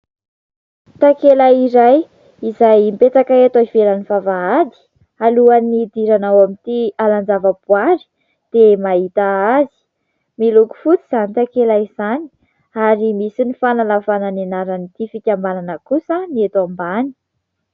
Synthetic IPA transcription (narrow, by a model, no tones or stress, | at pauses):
t̪akelaiɾaj | izajmpet͡sakaet̪aivelanifavaad̪i̥ | aluanid̪iɾanawamit̪ialand͡ʒavəbuaɾi̥ | d̪̥emaɦit̪aazi̥ | miluku̥fut͡siz̥anit̪akelaiz̥ani̥ | aɾimisinifanalavananenaɾanit̪ifikʲambananəkusəniet̪ambani̥